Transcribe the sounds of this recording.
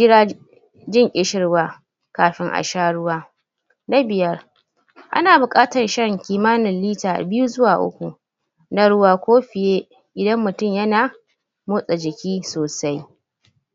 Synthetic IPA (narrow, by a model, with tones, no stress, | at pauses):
d͡ʒɪ˦ɽaː˦ | d͡ʒɪ˦ŋʔʲʼɪ˦ʃɪ˦rwaː˦ | kaː˨ɸɪ˦ŋʔa̰˨ʃaː˦ɽʊ˦waː˦ | na˦bɪ˨jɐ˦r | ʔa̰˦naː˨bʊ˨kʼaː˦tɐ˨nʃɐ˦ŋkʲiː˨maː˦nɪ˨nliː˦taː˨bɪ˦ju˦zʊ˦waː˨ʔʊ̰˦kʷu˨ | na˨ɽʊ˦waː˦kʷoː˦ɸɪ˨jeː˦ | ʔɪ˨dɐ˦mːʊ˨tʊ˦˨mjɐ˦naː˨ | mʊː˦sʼa˨d͡ʒɪ˨kʲiː˦soː˨sa˦j